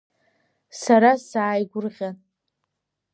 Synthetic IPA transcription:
saɾasaːjɡʷʊrʁʲan

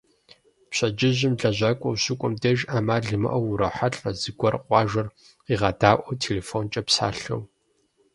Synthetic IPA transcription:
pɕɐd͡ʒɪʑɪmɮɐʑʷaːkʷʼɐwɕʊkʷʼʊmdɐʒaːmaːɮɨmɐ̰ʔɐwʊɾɐħaɬʼɐzɨɡʷɔrqʷɑːʒʷɐr | iːʁɐdaːʔʷɔtʰeleːfont͡ʃʼɐpsa̰ːɬo̰w

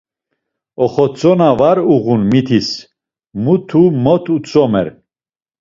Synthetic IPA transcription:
ɔχɔt͡sʼɔnavaɾuɣunmit̪ʰis | mut̪ʰumɔt̪ʰut͡sʼɔmɛɾ

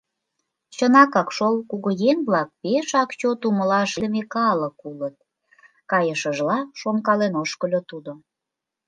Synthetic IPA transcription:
t͡ɕənɑkɑkʃolkuɣojeŋβlɑk̚peʃɑkt͡ɕot̪uməlɑʃd̪əmekɑləkulət̪̚ | kɑjəʃəʒlɑʃonkɑlenoʃkəlʲot̪ud̪o

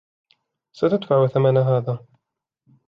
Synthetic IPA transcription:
sat̪ad̪faʕʊθamanaɦaːðaː

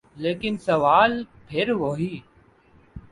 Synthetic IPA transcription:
leːkɪnsəʋaːlpʰɪɾʋoːɦiː

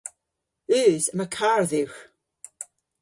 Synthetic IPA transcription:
ʉːzəməkʰarðɪwχ

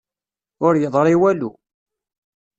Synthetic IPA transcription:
ʊɾjəðˤɾˤiwælu

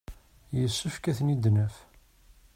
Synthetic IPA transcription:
jəsːəfkæθnid̪nəf

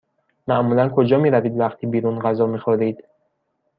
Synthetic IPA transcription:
mæʔmuːlænkʰod͡ʒɒːmiːɾæviːd̪væxt̪ʰibiːɾunɢæzɒːmiːxoɾiːd̪̥

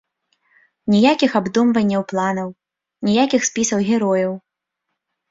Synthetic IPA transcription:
nʲijakʲixabd̪umvɐnʲːɐwplˠanɐw | nʲijakʲixspʲisɐwɣʲɛɾɔjɐw

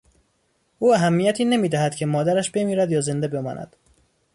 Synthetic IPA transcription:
ʔuːæɦæmːijæt̪ʰiːne̞miːd̪æhæd̪̥cʰe̞mɒːd̪æɾæʃbe̞miːɾæd̪jɒːze̞nd̪ebe̞mɒ̰ːnʔæ̰d̪̥

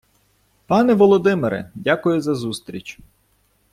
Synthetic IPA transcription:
pɑnɛʋɔlˠɔd̪ɪmeɾɛ̰dʲakʊjʊzɐzust̪ɾʲit͡ʃʲ

